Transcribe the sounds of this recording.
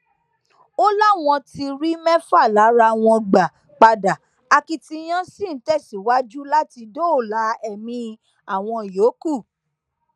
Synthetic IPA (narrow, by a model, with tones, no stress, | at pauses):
o˦la˦w̃ɔ̃˧ti˧ɾi˦mɛ̃˦fa˦˨la˨˦ɾa˧w̃ɔ̃˧ɡ͡ba˨ | k͡pa˧da˨ | a˧ki˧ti˧j̃ã˦sĩ˦˨˦tɛ˦˨si˨wa˦d͡ʒu˦la˦ti˧do˦o˦˨la˨˦ɛ˦˨mĩ˧ | a˨w̃ɔ̃˧˨jo˨˦ku˦˨